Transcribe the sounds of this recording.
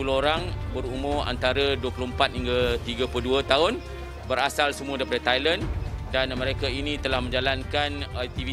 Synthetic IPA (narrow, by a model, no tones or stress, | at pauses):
uloɦoɾaŋbəɾumʊma̰nt̪aɾaduwəpəloəmpat̪̚hiŋɡat̪iɡapuduat̪aʊn | bəɾasalsəmũãdaipadət̪ajləndanmə̃ɾekainĩt̪əlahmə̃ɲd͡ʒalankanak̚t̪ivi